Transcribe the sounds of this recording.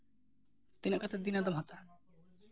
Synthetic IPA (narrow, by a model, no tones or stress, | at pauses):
t̪ineɾkat͡sʰed̪inad̪amɦɔt̪a